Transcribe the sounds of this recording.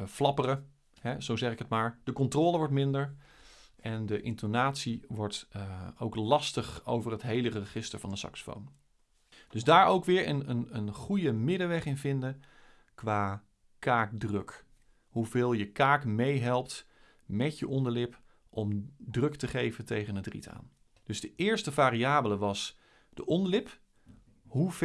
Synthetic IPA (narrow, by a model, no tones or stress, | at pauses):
flɑpərə | ɦɛzowzɛχɪkətmaːɹd̥əkɔntroːlˠəʋɔɹtmɪndəɹ | ʔɛndəʔɪ̰ntonaːtsiʋɔɹtowklɑstəχo̰wvərətɦejlərərəχɪstə̰ɹvɑndəsɑ̰ksə̥fo̰wn | d̥ɵzdaːɹowkʋɪːɹənənənχujəmɪdəʋɛχɪnvɪndə | kʋaː | kaːk̚drøk | ɦuvɪːlˠjəkaːkmejɦɛlˠp̚t | mɛtjəʔɔndəlɪp | ʔɔmdrɵktəχejvəntejχənətrḭta̰ːn | d̥ɵzdəʔɪːɹstəvaːɾiaːbələʋɑs | d̥əʔɔndəlɪp | ɦuv